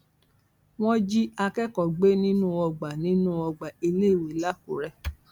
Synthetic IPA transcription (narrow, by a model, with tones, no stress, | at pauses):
w̃ɔ̃˦d͡ʒi˦a˧kɛ˦kɔ˨ɡ͡be˦nĩ˦nũ˦˨ɔ˧ɡ͡ba˨nĩ˨˦nũ˦ɔ˧ɡ͡ba˨i˧le˦˨we˨˦la˦ku˨ɾɛ˧